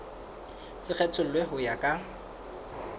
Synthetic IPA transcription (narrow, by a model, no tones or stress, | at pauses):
t͡sɪk͡xʰɛt͡sʰʊl̩lweɦʊjakʼa